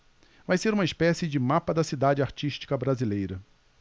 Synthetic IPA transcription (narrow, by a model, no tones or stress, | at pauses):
vajseɾũmɐispɛsɪd͡ʒɪmapɐd̪ɐsid̪ad͡ʒɪaɾt͡ʃiʃt͡ʃi̥kɐbɾazilejɾɐ